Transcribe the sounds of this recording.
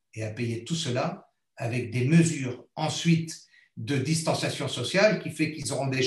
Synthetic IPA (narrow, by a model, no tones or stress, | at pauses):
eapejet̪usəla | avɛk̚d̪eməzyːʁɑ̃sɥit̪ | d̪əd̪ist̪ɑ̃sjasjɔ̃sɔsjalkʲifɛkilzɔʁɔ̃d̪eʒ